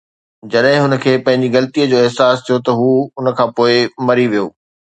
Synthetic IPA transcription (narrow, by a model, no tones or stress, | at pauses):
d͡ʑɐɗɦɪ̃ɦʊnə̆kʰeːpɐ̃ɦɪ̃ɲd͡ʑiɣɐlət̪iəd͡ʑoːɪɦsaːst̪ʰijot̪ɐɦuːʊnə̆kʰãːpoːɪmɐɾiʋijo̰ː